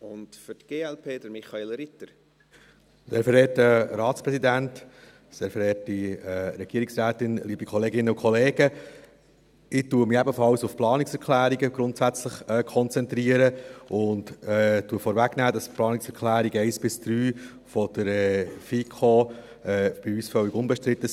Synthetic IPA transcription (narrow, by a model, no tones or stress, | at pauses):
ʊntfytɡ̥eːɛlpʰeːd̥̪əɾmiχɑelɾɪt̪əɾ | dɛːɾfəɾɛːtːəɾɑːtspɾɛsidænt | sɛːɾfəɾɛːtiɛɾɛɡ̥iəɾiksɾæːtɪnliːbikʰɔleːɡɪnːəʊkʰɔleːɡ̥ə | ɪtuːəmɪɛbəfɑwsʊfplɑːnɪksɛɾkʰlæːɾiɡəɡɾʊntsæt͡sləχɛːkʰɔnt͡sɛnt̪ɾiːəɾəʔʊntɛtːuːəfɔːɾvæɡnæːd̥ɑsplɑːnɪksɛɾkʰlæːɾiɡəɛɪsb̥ɪsd̥ɾyː | fɔd̪̥əɾɛfiːkʰoː | ɛb̥ɪyːsfœwɪɡʊnbɛʃtɾɪt̪ːə